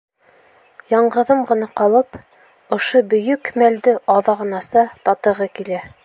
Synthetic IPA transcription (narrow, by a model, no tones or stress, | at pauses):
jɑɴɢɤ̆ðɤmʁɤ̆nɑqɑlˠɤp | ŏʃobɵ̆jɵkmæld̪ɘʔɑðɑʁɤ̆nɑsɑt̪ɒt̪ɤ̆ʁɤkilæ